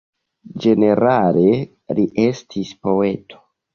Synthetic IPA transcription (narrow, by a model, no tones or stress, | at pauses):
d͡ʒe̞ne̞ɾale̞ | ɾiʔe̞stʰispo̞e̞tʰo̥